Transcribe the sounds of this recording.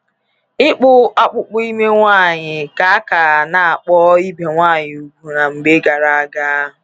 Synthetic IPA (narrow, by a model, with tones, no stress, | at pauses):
ɪ˦k͡pʊ˦a˦k͡pʊ˨k͡pʊ˦i˦me˦ŋʷa˦˨ɲɪ˨ka˨a˦ka˨na˨a˨k͡pɔ˦i˦be˨ŋʷaː˦˨ɲɪ˨u˨ɡʷu˨na˨ŋ͡m̩˨ɡ͡be˦ɡa˨ɾa˨a˦ɡa˦ʊ˨